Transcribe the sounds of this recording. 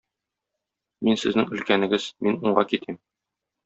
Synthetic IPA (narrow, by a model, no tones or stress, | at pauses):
minsɘ̆znɘŋɵ̆lkænɘ̆ɡɘz̥minuɴɢɑ̰kit̪ʰim